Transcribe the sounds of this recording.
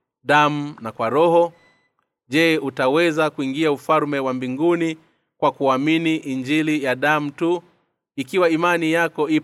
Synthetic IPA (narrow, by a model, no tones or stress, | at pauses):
ɗamunakwaɾɔhɔ | ʄɛutawɛzakuiŋɡiaufalmɛwambiŋɡuni | kwakuaminiʔind͡ʒilijaɗamutu | ikiwaimanijakɔi